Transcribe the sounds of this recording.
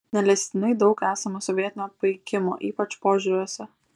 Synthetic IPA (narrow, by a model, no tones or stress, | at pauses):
nʲɛlʲɛsʲt̪ʲɪnɐɪd̪ɐʊkæːsɐmɐsɔʋʲiɛt̪ʲɪnʲoːpɐɪkʲɪmo̰ːʔiːpɐt͡ʃpoːʒʲʊɾʲuɔsʲɛ